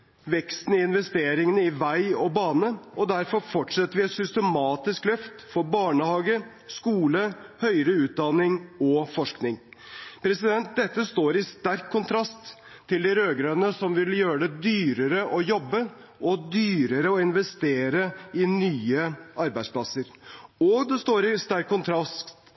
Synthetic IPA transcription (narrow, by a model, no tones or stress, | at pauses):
ʋɛkst̪n̩ɪɪnʋɛst̪eːɾɪŋənəɪʋæɪɔbɑːnəɔd̪æɾfɔɾfɔʈʂɛt̪ːəɾʋɪɛt̪sʏst̪əmɑːt̪ɪsklœft̪fɔɾbɑːɳəhɑːɡə | skuːləhœʏɾəʉːt̪̚d̪ɑnɪŋɔfɔʂknɪŋpʰɾɛsɪd̪ɛnt̪̚d̪ɛt̪ːəst̪oːɾɪst̪æɾkʰːʊnt̪ʰɾɑst̪ʰː | ɪld̪ɪɾøːɡɾənəsɔmʋɪljøːɾəɖ̪ɛd̪yːɾəɾəʔɔjɔbːə | ʔɔd̪yːɾəɾəɔɪnʋɛst̪eːɾəɪnyːəʔɑɾbæɪspʰlɑsəɾɔd̪ɛst̪oːɾɪst̪æɾkʰːʊnt̪ʰɾɑstt̪